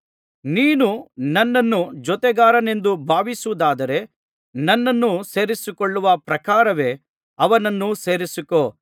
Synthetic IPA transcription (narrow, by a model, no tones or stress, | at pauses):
niːnunɐnːɐnːud͡ʒɔt̪ɛɡaːɾɐne̞nd̪ubʱaːʋisuːd̪aːd̪ɐɾe̞ | nɐnːɐnːuse̞ːɾisikoɭːuʋɐpɾɐkaːɾɐʋe̞ː | ɐʋɐnɐnːuse̞ːɾisikoː